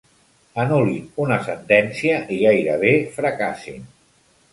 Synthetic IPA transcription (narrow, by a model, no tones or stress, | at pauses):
ənuliunəsənt̪ɛnsiəʔiɣajɾəβ̞efɾəkasḭn